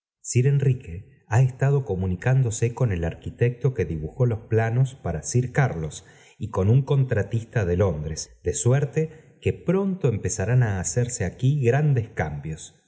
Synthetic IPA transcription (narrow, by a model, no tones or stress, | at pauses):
siɾe̞nrike̞ | aest̪að̞o̞ko̞munikand̪o̞seko̞ne̞laɾkit̪ek̚t̪o̞ke̞ðiβuxo̞lo̞splano̞spaɾasiɾkaɾlo̞s | iko̞nuŋko̞nt̪ɾat̪ist̪aðelo̞nd̪ɾesd̪esweɾt̪ekepɾo̞nt̪oempesaɾanaːseɾseakiɣɾand̪eskambjo̞s